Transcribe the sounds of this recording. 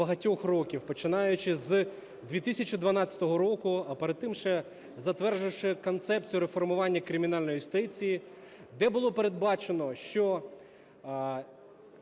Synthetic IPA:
ɐɦɐtʲɔxrɔkʲiwpɔt͡ʃɪnɑjʊt͡ʃɪz | d̪ʲʋʲit̪isʲɐt͡ʃid̪ʋɐnɑt͡sʲɐ̥t̪ɔɦɔɾɔkʊɐpeɾɐd̪̚t̪ːɪmʃɛ | zɐt̪ʋɛrʒɪwʂɪkɔnt̪sɛp̚t͡sʲijʊɾefɔrmʊʋɑnʲːɐkɾɪmʲɪnɑlʲnɔjjʊst̪ɪt͡sʲiji | d̪ɛbʊlˠɔpeɾed̪̚bɑt͡ʃenɔʃt͡ʃɔ

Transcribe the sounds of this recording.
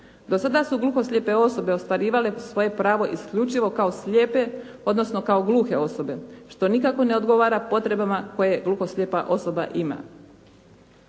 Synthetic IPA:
d̪o̞sad̪asuɡlˠuxo̞sʎʲepe̞o̞so̞be̞o̞st̪ʋaɾiːʋale̞sʋo̞je̞pɾaːʋo̞ʔiskʎʲut͡ʃiʋo̞kaosʎʲeːpe̞ | o̞d̪no̞sno̞kaoɡlˠuːxe̞o̞so̞be̞ʃt̪o̞nikako̞ne̞o̞d̪ɡo̞ʋaːɾapo̞t̪ɾe̞bamako̞je̞ɡluxo̞sʎʲepaʔo̞so̞baʔima̰

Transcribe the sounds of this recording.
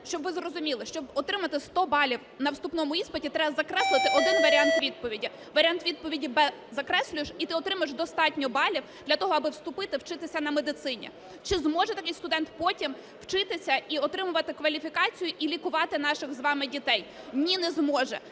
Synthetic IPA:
ʃt͡ʃɔbʋɪzrɔzʊmʲilˠɪʃt͡ʃɔbɔt̪ɾɪmɐt̪ɪst̪ɔbɑlʲiw | nɐwst̪upnɔmʊispɐtʲit̪ɾɛbɐzɐkɾɛslˠɪt̪ɪʔɔd̪ɪnʋɐɾʲɪɑnt̪ʋʲid̪̚pɔʋʲidʲi | ʋɐɾʲɑnt̪ʋʲid̪̚pɔʋʲidʲibɛzɐkɾɛsʲlʲʊjɪʃit̪ɪɔt̪ɾɪmɐɪʃd̪ɔst̪ɑtʲnʲɔbɑlʲiwd̪lʲɐt̪ɔɦɔɐbɪwst̪ʊpɪt̪ɪwt͡ʃɪt̪ɪsʲɐnɐmed̪ɪt̪sɪnʲḭ | t͡ʃɪzmɔʒɛt̪ɐkɪjst̪ʊd̪ɛnt̪pɔtʲim | w̥t͡ʃɪt̪ɪsʲɐiɔt̪ɾɪmʊʋɐt̪ɪkʋɐlʲifʲikɑt͡sʲijʊʔilʲikʊʋɑt̪ɪn̪ɑʃɪɣzʋɑmɪdʲit̪ɛj | nʲinɛzmɔʒɛ̰

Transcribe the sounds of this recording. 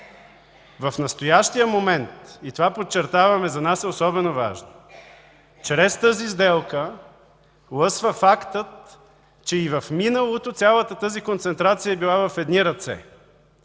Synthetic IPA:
vɐfnɐst̪ojaʃt̪ijəmomɛnt̪it̪ovapot͡ʃːɛɾt̪avɐmɛzɐnasɛosɔbɛnova̰ʒno | t͡ʃɾɛst̪əzizd̪ɛlˠkə | lˠɤsvəfakt̪ət̪ | t͡ʃɛivɐfminəlˠot̪ot̪sʲjalˠət̪ət̪əzikont̪sɛnt̪ɾat̪sijəɛbilˠavɐfɛd̪niɾɐt̪sɛ̰

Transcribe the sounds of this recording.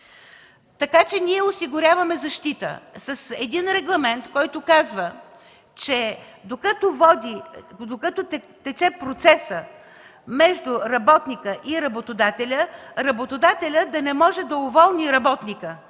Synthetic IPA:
t̪ɐkat͡ʃɛniɛʊsiɡʊɾʲavɐmɛzɐʃt̪it̪ə̰sɐsɛd̪inɾɛɡlˠɐmɛnt̪kɔjt̪ʊkazvə | t͡ʃɛ | d̪okət̪ʊvɔd̪id̪okət̪oɛ | t̪ɛt͡ʃɛpɾot̪sɛsə | mɛʒd̪ʊɾɐbɔt̪nikəʔiɾɐbot̪od̪at̪ɛlʲəɾɐbot̪od̪at̪ɛlʲəd̪ɐnɛmɔʒɛd̪ɐʊvɔlˠniɾɐbɔt̪nikə

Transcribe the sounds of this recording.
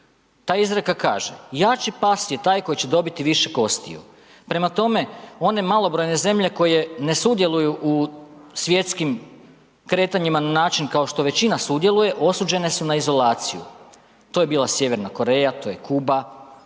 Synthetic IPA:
t̪aːizɾekaka̰ːʒejat͡ʃipasijet̪aːjko̞jit͡ɕe̞d̪o̞bit̪iʋiʃe̞ko̞st̪ḭjṵ | pɾe̞mat̪o̞me̞o̞ne̞malˠo̞bɾo̞jne̞ze̞mʎe̞ko̞je̞ne̞sud̪je̞lˠujuʔusʋje̞t̪skim | kɾe̞ːt̪aɲimananaːt͡ʃinkao̞ʃt̪o̞ʋe̞t͡ɕinasud̪je̞luje̞ʔo̞suːd͡ʑe̞ne̞sunaizo̞laːt̪sijṵ | t̪o̞je̞biːlasje̞ʋe̞ɾnako̞ɾe̞jat̪oːjekuːba

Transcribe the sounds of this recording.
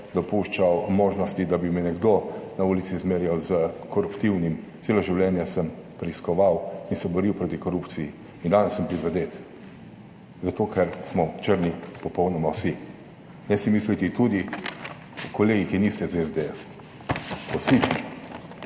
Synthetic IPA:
d̪ɔpuʃt͡ʃawmoːʒnɔst̪id̪abimɛnɛɡd̪onauːlit̪sizmeːɾjawzəkɔɾupt̪iwnimseːloʒiwlɛːnjasəmpɾɛiskɔʋawinsɛbɔɾiwpɾoːt̪ikɔɾupt̪siji | ind̪anɛsːəmpɾizad̪eːt̪ | zat̪oːkʰɛɾsmɔt͡ʃəɾnipɔpɔwnɔmawsi | nɛsimislit̪it̪ud̪i | kɔleːɡikinist̪ɛzɛzd̪eɛf | ɔwsismɔ

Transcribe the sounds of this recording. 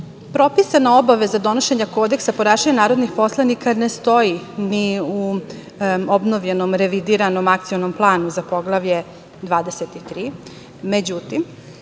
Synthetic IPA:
pɾo̞pisanao̞baʋe̞zad̪o̞no̞ʃe̞ɲako̞d̪e̞ksapoɾaːʃaɲanaːɾod̪nixpo̞slˠanikane̞st̪o̞jiniu | obno̞ʋʎe̞no̞mɾe̞ʋid̪iɾano̞makt̪sio̞nomplˠaːnuzapo̞ɡlˠaʋʎe̞ | d̪ʋaːd̪e̞set̪it̪ɾiː | med͡ʑut̪im

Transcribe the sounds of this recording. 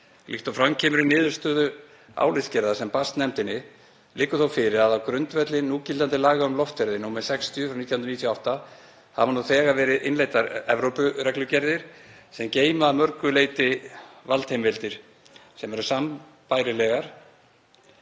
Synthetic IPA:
lɪht̪ɔfɾamcʰɛːmʏɾɪnɪːðʏ̥st̪œːðʏ | a̰ːwlɪθscɛɾðasɛmpast̪nɛmt̪ɪnːɪ | lɪːkʏθowfɪɾɪɾaðawkɾʏnt̪vɛt̪lɪnuːcɪlt̪ant̪ɪlaːɣaʏmlɔft̪ɛɾðɪnumɛðsɛkst̪jʏfɾawnit̪jahnɾnit̪ʰjaawht̪a | havanuθɛːɣavɛːɾɪðɪnlejt̪aɾɛvɾowpʏɾɛklʏcɛɾðɪɾ̥ | sɛmceːjmaːmœɾkʏleːjt̪ɪvalt̪hejmvɪlt̪ɪɾ̥ | sɛmɛɾʏsam | paːjɾɪlɛɣaɾ̥

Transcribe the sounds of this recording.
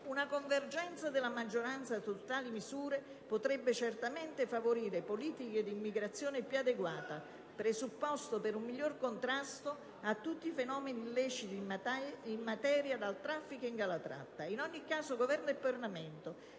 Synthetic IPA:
unakoɱverd͡ʒɛnt̪sad̪ɪlːamad͡ʒːoɾant̪sat̪ːot̪aːlimizuːɾe | pot̪ɾɛbːet͡ʃert̪amɛnt̪efavoɾiːɾepoliːt̪iked̪iːmːiɡɾat̪sːjɔːnepjuad̪eɡwaːt̪a | pɾezupːɔst̪opeɾumːiʎːorkont̪ɾast̪o | at̪ːut̪ːifenɔːmenilɛt͡ʃit̪i | imːat̪ɛːɾjad̪alt̪ɾafːikoiŋɡalat̪ɾa̰t̪ːainɔɲːikːaːsoɡovɛrnoɛpːarlamɛnt̪o

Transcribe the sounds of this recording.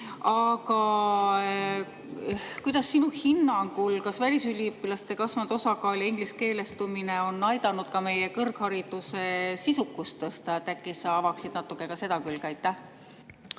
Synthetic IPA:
ɑkɑ | kujd̪̥ɑsːinuhinːɑŋɡulkɑsvælʲisylʲːiypːˑilɑst̪e̞kɑsvɑnd̪osɑkɑːlʲiiŋɡ̥liske̞ːle̞st̪umine̞o̞nːɑjd̪̥ɑnud̪̥kɑme̞jekɤrkhɑɾid̪̥use̞sisukːˑust̪est̪t̪ækːˑisɑɑvɑksid̪̥nɑt̪ːˑukːˑe̞kɑse̞d̪ɑkylkɑjt̪ːˑæh

